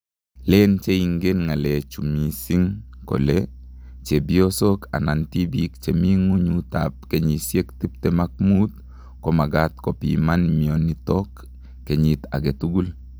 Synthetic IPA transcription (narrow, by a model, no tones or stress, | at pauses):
lent͡ʃeiŋɡenŋalet͡ʃumisiŋ | ko̰le | t͡ʃebiosoka̰nantibikt͡ʃemiŋuɲutap̚keɲisjektip̚temak̚mut̪ | komaɡat̪̚kopḭmanmionitokː | eɲit̪a̰ɡetuɡul